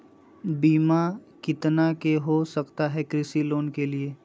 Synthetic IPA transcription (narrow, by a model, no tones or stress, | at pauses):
biːmakɪt̪nakeɦosɐkt̪aɦɛkɾɪsiloːnkelieː